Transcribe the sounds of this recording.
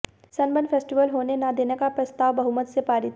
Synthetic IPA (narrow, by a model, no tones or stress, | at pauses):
sɐnbənfʰeːsʈiʋəlɦoːnenad̪eːnekapɾɐst̪aːʋbɐɦumət̪sepaːɾɪt̪